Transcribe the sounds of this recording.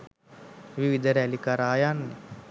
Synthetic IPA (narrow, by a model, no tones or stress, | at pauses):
ʋiʋid̪ʱəɾɛlikaɾaːjanːe